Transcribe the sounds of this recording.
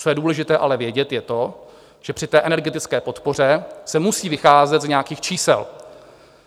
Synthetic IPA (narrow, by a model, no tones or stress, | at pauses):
t͡so̞jɛduːlɛʒɪt̪ɛːʔalɛvjɛɟɛt̪jɛt̪o̞ | ʒ̥ɛpr̝̥ɪt̪ɛːʔɛnɛɾɡɛt̪ɪt͡skɛːpo̞t̪po̞r̝ɛsɛmusiːvɪxaːzɛt̪zɲɛakiːxt͡ʃiːsɛ̰l